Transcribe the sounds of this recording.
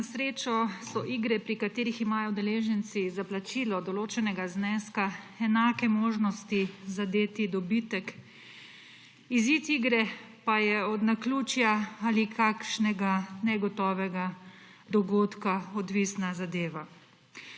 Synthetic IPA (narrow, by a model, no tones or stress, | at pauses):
nasɾeːt͡ʃɔsɔʔiɡɾɛpɾikat̪eːɾiximaːjɔd̪ɛleːʒɛnt̪sizaplat͡ʃiːlɔd̪ɔloːt͡ʃɛnɛɡaznɛskaɛnaːkɛmoːʒnɔst̪izad̪eːt̪id̪ɔbit̪ək | izit̪iːɡɾɛ | pajɛɔd̪nakluːt͡ʃjaalikʰakʃnɛɡanɛɡɔt̪ɔːʋɛɡa | d̪ɔɡoːt̪kaɔd̪ʋisnazad̪eːʋa